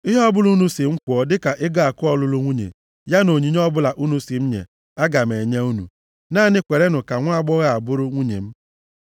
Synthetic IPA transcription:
ɪ˦ɦɔ˦bʊ˦lu˦nu˦si˨ŋ͡m̩˦kʊ˨ɔ˦dɪ˦ka˨ʔɪ˦ɡa˦a˨kʊ˦ɔ˨lʊ˦lʊ˦ŋʷu˦ɲḛ˨ | ja˦no˨ɲi˨ɲ˦ɔ˦bʊ˦la˨ʔu˦nu˦si˨m̩˦ɲḛ˨ | a˦ɡa˨me˨ɲe˦u˦nṵ˨ | naː˦˨nɪ˦kʷe˨ɾe˦nʊ˨ka˨ŋʷa˦a˦ɡ͡bɔ˦ɣa˨a˨bʊ˦ɾʊ˦ŋʷu˦ɲḛ˨m̩˦

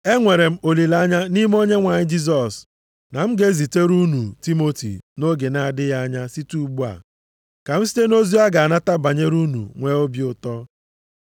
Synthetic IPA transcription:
e˦ŋʷe˨ɾe˨m̩˦o˨li˨la˦ɲa˦ni˦m˦o˦ɲe˦ŋʷa˨ɲɪ˦d͡ʒi˦z̬ɔ˨s | na˨m̩˦ɡe˦zi˨te˦ɾu˦nu˨ti˦mo˦tḭ˨no˦ɡe˨na˨a˨dɪ˦ja˦ɲa˦si˦tu˦ɡ͡bu˦a̰˨ | ka˨m̩˦si̥˦te˦no˦zi˦a˦ɡa˨a˨na˦ta˦ba˨ɲe˦ɾu˦nṵ˨ŋʷe˦o˦bji˦ʊ˨tɔ˦

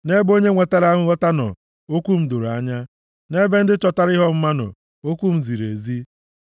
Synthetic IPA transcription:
ne˦bo˦ɲe˦ŋʷe˨ta˦ɾa˦ŋʷʊ˦ɣɔ˦ta˦nɔ̰˨ | o˦kʷu˦m̩˦do˨ɾa˨ɲa˦ | ne˦be˦n̩˦dɪ˦t͡ʃɔ˦ta˦ɾɪ˦ɦɔ˦m̩˦ma˦nʊ̰˨ | o˦kʷu˦m̩˨zi˨ɾḛ˨zi˦

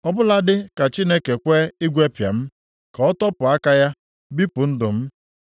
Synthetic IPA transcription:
ɔ˦bʊ˦la˦dɪ˦ka˨t͡ʃi˦ne˦ke˨kʷe˦ɪ˦ɡʷe˦pja̰˨m̩˦ | kɔ˨ɔ˦tɔ˦pʊ˨a˦ka˦ja˦ | bi˦pʊ˨n̩˦dʊ˨m̩˦

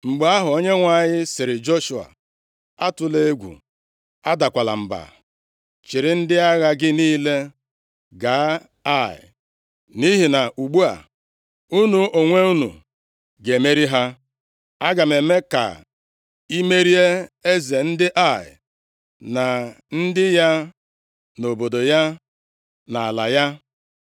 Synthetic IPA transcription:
ŋ͡m̩˨ɡ͡ba˦ɦʊ˨o˦ɲe˦ŋʷa˨ɲɪ˦sɪ˨ɾɪ˨d͡ʒo˦ʃu˨a̰˨ | a˦tʊ˨le˦e˦ɡʷṵ˨ | a˦da˨kʷa˨la̰˨m̩˨ba̰˨ | t͡ʃɪ˨ɾɪ˨˦n̩˦dɪ˦a˦ɣa˦ɡɪ˦niː˦le˦ | ɡa˨˦ | a˦˨ɪ̰˨ | ni˦ɦi˨na˨ʔu˨ɡ͡bu˦a̰˨ | u˦nu˨ʔo˨ŋʷe˦u˦nṵ˨ | ɡe˨me˦ɾi˦ɦa˦ | a˦ɡa˨me˨˦me˦ka̰˨ | i˦me˦ɾi˦e˦e˦ze˨n̩˦dɪ˦ʔa˦˨ɪ̰˨ | na˨ | n̩˦dɪ˦ja˦ | no˨bo˨do˨ja˦ | na˨a˨la˨ja˦

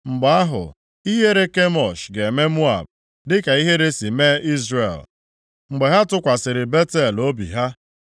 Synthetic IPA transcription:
ŋ͡m̩˨ɡ͡ba˨a˦ɦʊ̰˨ | i˦ɦe˦ɾe˦ke˦mɔ˨ʃɡe˨me˦mu˦a̰˨b̚ | dɪ˦ka˨i˦ɦe˦ɾe˦si˨me˦i˦zrḛ˨l | ŋ͡m̩˨ɡ͡be˨ɦa˦tʊ˦kʷa˨sɪ˨ɾɪ˨be˦te˦˨lo˦bḭ˨ɦa˦

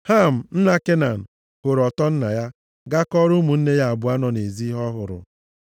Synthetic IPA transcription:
ha˦˨m̩˨n̩˦na˦ke˦na˨n̩˨ | hʊ˨ɾɔ˨tɔ˦n̩˦na˨ja˦ | ɡa˦kɔ˦ɾʊ˦mu˨n̩˦ne˦ja˨a˨bʊ˨a˦nɔ˨ne˨zi˦ɦɔ˦ɦʊ˨ɾʊ̰˨

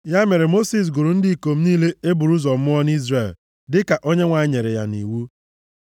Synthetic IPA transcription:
ja˦me˨ɾe˨mo˦si˨s̬ɡʊ˨ɾu˨n̩˦di˦i˨ko˨m̩˦niː˦le˦e˦bu˨ɾu˦zɔ˨m̩˦mʊ˦ɔ˦ni˦zre˦˨l | dɪ˦ka˨ʔo˦ɲe˦ŋʷa˨ɪ˦ɲe˨ɾe˨ja̰˦nḭ˨wu˦

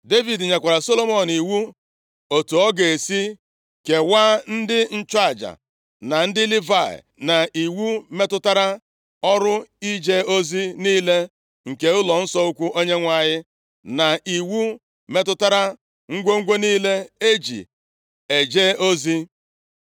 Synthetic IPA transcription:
de˦vi˨dɲa˨kʷa˨ɾa˨so˦lo˦mɔ˨n˨i˨wu˦ | o˨tu˨ɔ˦ɡe˨si˦ | ke˨waː˦n̩˦dɪ˦n̩˦t͡ʃɔ˦a˦˨d͡ʒa̰˨ | na˨n̩˦dɪ˦li˦va˦˨ɪ̰˨na˨ʔi˨wu˦me˦tʊ˦ta˦ɾa˦ | ɔ˦ɾʊ˦i˦d͡ʒe˦o˦zi˦niː˦le˦ | ŋ̩˨ke˨ʊ˦lɔ˨n̩˦sɔ˦u˦kʷu˦ʔo˦ɲe˦ŋʷa˦˨ɲɪ˦ | na˨i˨wu˦ | me˦tʊ˦ta˦ɾa˦ | ŋ̩˦ɡʷo˦ŋ̩˦ɡʷe˦niː˦le˦e˦d͡ʒḭ˨ | e˨d͡ʒe˦o˦zi˦

